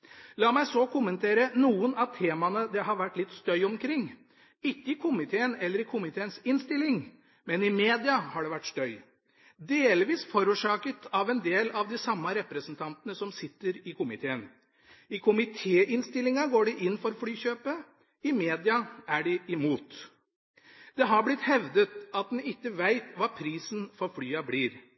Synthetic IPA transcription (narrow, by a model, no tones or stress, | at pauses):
lɑːmæɪsɔkʰʊmənt̪ʰeːɾənuːənɑʋt̪ʰeːmɑnəd̪ɛɦɑɾʋæʈːlɪt̪ːst̪œʏɔmkʰɾɪŋː | ɪkːəɪkʰʊmɪt̪ʰeːənɛlːəɾɪkʰʊmɪt̪ʰeːənsɪnst̪ɪlːɪŋ | mɛnɪmeːd̪ɪɑhɑɖɛʋæʈːst̪œʏ | d̪eːlʋiːsfɔɾuːʂɑːkət̪ʰɑʋɛnd̪eːlɑʋd̪ɪsɑmːɑɾɛpɾəsnt̪ʰɑnt̪ənəsɔmsɪt̪ːəɾɪkʰʊmɪt̪ʰeːən | ɪkʰʊmɪt̪ʰeːʔɪnst̪ɪlːɪŋɑɡoːɖɛʔɪnːfɔɾfɽyːçøːpə | ɪmeːd̪ɪɑæɖɪɪmuːt̪ | d̪̥ɛɦɑɾblɪt̪hɛʋd̪ət̪ɑt̪̚mɛɪkːəʋæɪt̪ʋɑːpʰɾiːsnfɔɾfɽyːɑbliːɾ